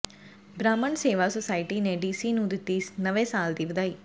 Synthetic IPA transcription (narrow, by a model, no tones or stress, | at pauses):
bɾaːmɐɳseːʋasɔsajʈineɖiːsinuːd̪it̪ːiːsnɐʋesaːld̪iʋd̪ai